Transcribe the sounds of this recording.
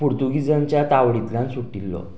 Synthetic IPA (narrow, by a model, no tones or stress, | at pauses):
puɾt̪uɡid͡zaɲt͡ɕjat̪aʋɽit̪lãnsuʈilːɔ̰